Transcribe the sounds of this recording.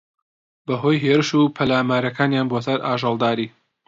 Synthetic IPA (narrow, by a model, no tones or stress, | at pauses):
bɐɦojɦeːɾɨʃuːpʰɐlaːmaːɾɐkaːnjaːnboːsɐɾaːʒɑlˠd̪aːɾiː